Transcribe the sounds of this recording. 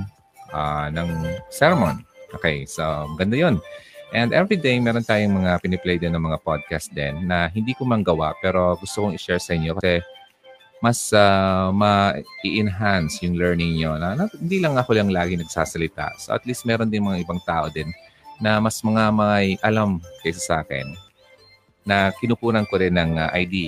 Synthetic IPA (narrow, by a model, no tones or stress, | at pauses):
ʔanɐŋsɛɾɛmo̰nʔoːkɛjsomɐɡɐnd̪ajo̞nʔɛ̃nd̪ɛvɹid̪ejmɛːɾo̞nt̪aːjoŋmɐŋapɪnɛplɛjd̪ɛnːɐŋmɐŋapad̪̚kast̪̚d̪ɛ̰nːɐɦɪnd̪iːkomɐŋɡɐwa̰ʔpɛːɾo̞ɡʊst̪okoŋɪʃɛɹsɐʔɪɲːokɐsɛ | mɐsamɐʔɪʔɪnɦansjʊŋlɛɹnɪŋɲonɐnɐhɪnd̪iːlɐŋːɐkolɐŋlaːɡɪŋnɐɡsaːsɐlɪt̪a̰ʔso̰ʔɐ̰t̪list̪̚mɛːɾond̪ɪnmɐŋaʔɪbaŋt̪aːʔo̞d̪ɛnː | ɐmɐsmɐŋamɐajʔɐlamkɐjsɐsɐʔaːkɛ̰n | ɐkɪnupuːnɐnkoɾɪnːɐŋaʔɐjd̪i